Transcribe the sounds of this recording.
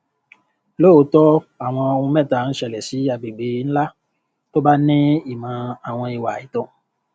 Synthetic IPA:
lo˦o˨˦tɔ˦a˨w̃ɔ̃˧o˧ũ˧mɛ̃˦˨ta˧˨˧n̩˦ʃɛ˧˨lɛ˨si˨˦a˧˨bi˨ɡ͡be˧ñ̩˦la˦ | to˦ba˦nĩ˦i˨mã˨a˨w̃ɔ̃˧i˧wa˨i˨tɔ̃˧

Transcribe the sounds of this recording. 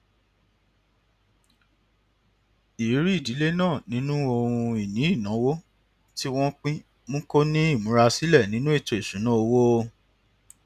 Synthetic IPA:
i˨˦ɾi˦˨di˨˦le˦nãː˦˨nĩ˨˦nũ˦o˧ɾũ˧i˨nĩ˨˦i˦˨nã˨˦wo˦ | ti˦w̃ɔ̃˦k͡pĩ˦ | mũ˦ko˦nĩ˦i˦˨mũ˨˦ɾa˧si˦lɛ˦˨nĩ˦nũ˦e˦˨to˨e˨ʃũ˨˦nã˦o˧wo˦˧

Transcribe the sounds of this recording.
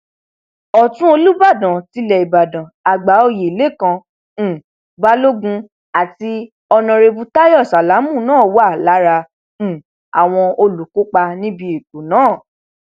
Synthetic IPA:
ɔ˨tũ˦o˧lu˦ba˦˨dã˨ti˦lɛ˨i˨ba˨dã˨a˨ɡ͡ba˨˦o˧je˨i˨le˨˦˨kã˧˦˨ | ba˧˦lo˦ɡũ˧ | a˨ti˧ | ɔ˧nã˧ɾe˧bũ˧ta˦jɔ˦˨sa˨la˨˦mũ˦˨nãː˨˦˨wa˦˨la˨˦ɾã˧˦˨ | a̰˨w̃ɔ̃˧o˧lu˨ko˨˦k͡pa˧nĩ˦bi˧e˨ko˨˦nãː˨˦˨

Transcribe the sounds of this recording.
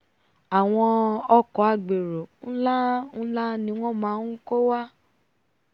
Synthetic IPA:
a˨w̃ɔ̃˧ɔ˧kɔ˨˦a˨ɡ͡be˨ɾo˨ñ̩˦la˦ñ̩˦la˦nĩ˧w̃ɔ̃˦mã˨˧˦ko˦wa˦

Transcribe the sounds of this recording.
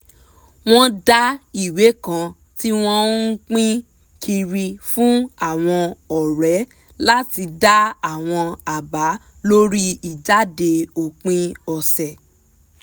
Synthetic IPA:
w̃ɔ̃˦da˦i˦˨we˨˦kã˧ | ti˦w̃ɔ̃˦k͡pĩ˦ | kʰi˧ɾi˧fũ˦a˦˨w̃ɔ̃˧ɔ˨ɾɛ˨˦ | la˦ti˧da˦a˦˨w̃ɔ̃˧a˨ba˨˦ | lo˦ɾi˦i˨d͡ʒa˨˦de˧o˨k͡pĩ˦ɔ˨sɛ˨

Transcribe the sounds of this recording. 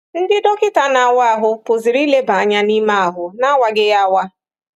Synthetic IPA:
n̩˦dɪ˦dɔ˦kɪ˦ta˨na˨wa˦a˦˨ɦʊ˦pʊ˨zi˨ɾi˦le˦ba˨a˦ɲa˦ni˦ma˦a˨ɦʊ˨na˦wa˦ɡɪ˦ja˦wa˦

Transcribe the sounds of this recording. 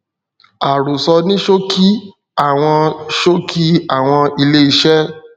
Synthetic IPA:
a˨ɾu˨sɔ˧nĩ˦ʃo˦kʰi˦ | a˦˨w̃ɔ̃˧ʃo˦kʰi˦a˦˨w̃ɔ̃˧i˧le˦i˧ʃɛ˦

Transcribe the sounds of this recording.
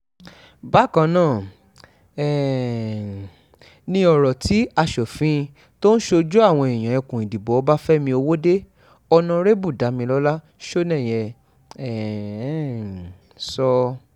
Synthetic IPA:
ba˦˨kã˧nãː˦˨ | ɛ˨ | nĩ˧ɔ˧˨ɾɔ˨ti˨˦a˧ʃɔ˨fĩ˨˦˧ | to˦n̩˦ʃo˧d͡ʒo˦a˦˨w̃ɔ̃˧i˨j̃ã˨ɛ˧kũ˨i˨di˨bɔ˨ɔ˦ba˦fɛ˦mĩ˧o˧wo˦de˦ | ɔ˧nã˧ɾe˦bu˦˨da˨˦mĩ˧lɔ˦la˦ | ʃo˦nɛ̃˦˨jɛ˧ | ɛ˨˦ | sɔ˦

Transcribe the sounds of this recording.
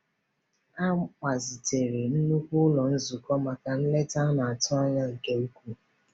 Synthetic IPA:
a˦ma˨zi˨te˨ɾe˨n̩˦nu˦kʷʊ˦lɔ˨n̩˦zu˨kɔ˦ma˨ka˨n̩˦le˦ta˦na˨a˨tʊ˦a˦ɲa˦ŋ̩˨ke˦u˦kʷu˦

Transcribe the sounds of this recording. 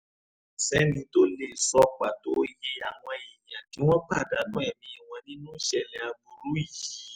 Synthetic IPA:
sɛ˦nĩ˧to˦le˦˨sɔ˧k͡pa˨to˨˦je˧a˨w̃ɔ̃˧i˨j̃ã˨tĩ˨˦w̃ɔ̃˦k͡pa˦˨da˨˦nũ˨˦ɛ˦˨mĩ˧i˨w̃ɔ̃˧nĩ˦nũ˦ʃɛ˦˨lɛ˧a˧bu˧ɾu˨˦i˦˨˦

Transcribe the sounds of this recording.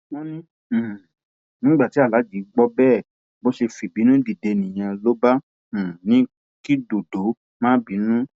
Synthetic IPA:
mɔ̃˦nĩ˦˨ | nĩ˦ɡ͡ba˦˨ti˨˦a˦˨la˨˦di˨˦ɡ͡bɔ˦bɛː˦˨ | bo˦ʃe˧fi˨bi˨˦nũ˦di˨de˧nĩ˨j̃ã˧lo˦bã˦˨ | nĩ˦ | ki˦do˨do˨˦ | mãː˦bi˨˦nũ˦

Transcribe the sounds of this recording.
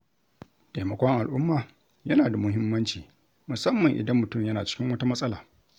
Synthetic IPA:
ta˨jmɐ˨kʷɔ˦ŋʔa̰˨lʔʊ˦mːaː˨ | jɐ˦naː˨da˨mʊ˦ɦɪ˦mːɐ˦nt͡ʃiː˨ | mʊ˨sɐ˦mːɐ˨ŋʔɪ̰˨dɐ˦mːʊ˨tʊ˦˨mjɐ˦naː˨t͡ʃɪ̥˦kʲɪ˦ŋwɐ˦ta˦mɐ˦sʼɐ˦laː˨

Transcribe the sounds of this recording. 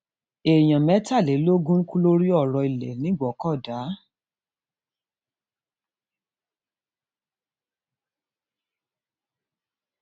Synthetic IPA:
e˨j̃ã˨mɛ˨˦ta˦˨le˨˦lo˦ɡũ˦ku˦lo˦ɾi˦ɔ˦˨ɾɔ˧i˨lɛ̰˨nĩ˨˦ɡ͡bɔ˨kɔ˦˨da˨˦

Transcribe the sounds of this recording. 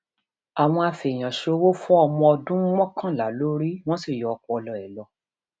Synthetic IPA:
a˨w̃ɔ̃˧a˧fe˨j̃ã˨ʃo˧˦wo˦fɔ̃˦ɔ˧mɔ̃˧ɔ˧dũ˦mɔ̃˦kã˦˨la˨˦lo˦ɾi˦w̃ɔ̃˦si˦˨jɔ˨ɔ˧kɔ˧ɔ˧lɔ˧ɛ˨lɔ˧˦

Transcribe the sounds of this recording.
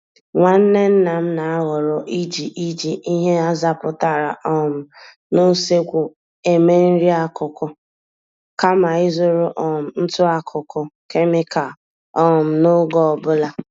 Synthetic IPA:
ŋʷa˨n̩˦ne˦n̩˦na˨m̩˦na˨a˦ɣʊ˨ɾʊ˨ʔi˦d͡ʒi˨ʔi˦d͡ʒi˨i˦ɦe˦a˦za˦pʊ˦ta˨ɾa˨ʔɔ˦ɦʊ˨m̩˨ | no˦se˦kʷʊ˨ | e˨me˦n̩˦ɾi˦a˦kʊ˨kʊ˨ | ka˦ma˨ɪ˦zʊ˦ɾʊ˦ʔɔ˨m̩˨n̩˦tʊ˦a˨kʰʊ˨kʊ˨ke˦me˦ka˨ | ɔ˦ɦʊ˨m̩˨nʊ˦ɡɔ˦˨ɔ˨bʊ˦la˦

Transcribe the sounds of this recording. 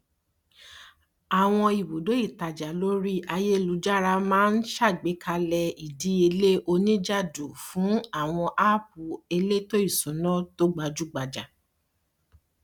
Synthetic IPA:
a˨w̃ɔ̃˧i˨bo˨do˨˦i˦˨ta˨d͡ʒa˨lo˦ɾi˦a˧je˦˨lu˧d͡ʒa˦ɾa˧mãː˦n̩˦ʃa˦˨ɡ͡be˨˦kʰa˧lɛ˧i˨di˨˦e˧le˦o˧nĩ˦d͡ʒa˦˨du˨fũ˨˦a˦˨w̃ɔ̃˧ʔa˦p̚u˨˧e˧le˦to˦i˦˨sũ˨˦nɔ̃˦to˦ɡ͡ba˧d͡ʒu˦˨ɡ͡ba˧˨d͡ʒa˨

